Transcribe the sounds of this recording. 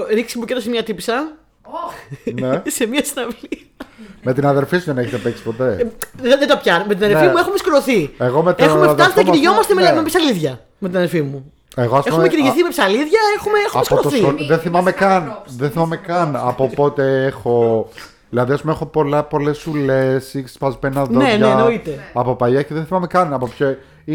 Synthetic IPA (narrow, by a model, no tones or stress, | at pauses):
ɾiksimucet̪osemiɐt̪ipsɐ | nesemiɐsinɐvli | me̞t̪inɐðe̞ɾfisuðene̞çet̪epeksi̥po̞t̪e̞ðed̪opçɐnomet̪inɐðeffimue̞xomeskɾoθieɣo̞met̪exmefɐsit̪ɐiɾiʝo̞mɐst̪ememepsɐliðʝɐ | me̞t̪inɐðeɾfimu | eɣoɐspexmemeciɾiʝiθimepsɐliðʝɐexumeexoeskoɾoθiðenθimɐmekɐnðenθimɐmekɐnɐpopo̞t̪e̞exo̞ | ðilɐðiɐspumeexo̞po̞lɐpo̞lesulesiksspɐzpenɐðonenenoit̪e̞ɐpo̞pɐjɐceðenθimɐmekɐnɐpopço | i